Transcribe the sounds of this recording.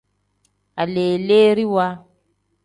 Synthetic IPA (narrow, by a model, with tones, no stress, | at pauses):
a˨le˨le˦ɾi˦wa˦